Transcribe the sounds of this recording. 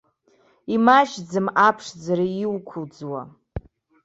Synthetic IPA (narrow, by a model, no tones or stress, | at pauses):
imaʃd͡zɨmapʰʂd͡zaɾaiwkʷʰʊd͡zwa